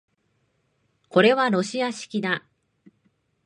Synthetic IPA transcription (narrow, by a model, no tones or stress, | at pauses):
ko̞ɾe̞βaɾo̞ɕiaɕi̥kʲid̪a